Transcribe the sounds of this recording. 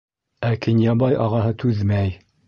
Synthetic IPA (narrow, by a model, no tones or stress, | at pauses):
ækɘnʲjɑbɑjʔɑʁɑɦɤt̪ʰʉðmæj